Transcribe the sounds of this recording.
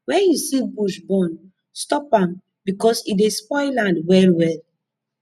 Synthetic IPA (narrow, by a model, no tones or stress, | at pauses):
wɛ̃njusibuʃbɔ̃n | stɔpãm | bikɔsidespɔɪlãndwɛlwɛl